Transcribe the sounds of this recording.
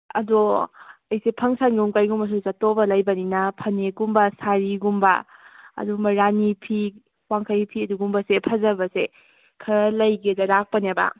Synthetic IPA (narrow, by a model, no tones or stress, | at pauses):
ɐ̰doɐjsepʰɐŋsanɡumkajɡumbɐs̬usatobɐlɐjbɐninɐpʰɐneɡumbɐsaɾiɡumbɐ̰ɐ̰dumɐɾanipʰi | waŋkʰajpʰiɐduɡumbɐsepʰɐzɐbɐse | kʰɐɾɐlɐjɡezɐɾak̚pɐnebɐ̰